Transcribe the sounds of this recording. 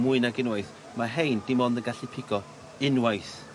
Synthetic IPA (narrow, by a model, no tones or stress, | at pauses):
mʊɨnaɡɪnwajθ | maɦejndɪmɔndəɡaɬipʰɪɡ̥ɔ | ɪnwajθ